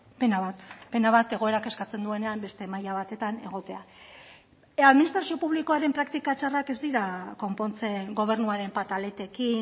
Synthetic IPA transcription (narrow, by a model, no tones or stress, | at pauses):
penaβat̪pe̞naβat̪e̞ɣ̞o̞e̞ɾake̞skat͡se̞nd̪ue̞ne̞ambe̞st̪e̞majaβ̞at̪e̞t̪ane̞ɣ̞o̞t̪e̞a | aðminist̪ɾasio̞puβliko̞aɾe̞mpɾakt̪ikat͡ʃarake̞zd̪iɾako̞mpo̞nt͡se̞ŋɡo̞β̞e̞ɾnuaɾe̞mpat̪ale̞t̪e̞kin